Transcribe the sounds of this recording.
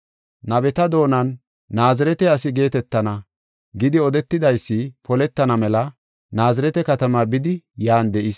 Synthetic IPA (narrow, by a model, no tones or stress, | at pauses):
nɐbɛt̪ɐd̪o̞ːnɐnː | aːzɪɾɛt̪ɛɐsɪɡe̞ːt̪ɛt̪ːɐnɐ | ɡɪd̪ɪɔd̪ɛt̪ːɪd̪ɐjsːɪpɔlɛt̪ːɐnɐmɛlɐ | naːzɪɾɛt̪ɛkɐt̪ɐmabɪd̪ɪjaːnd̪ɛʔɪs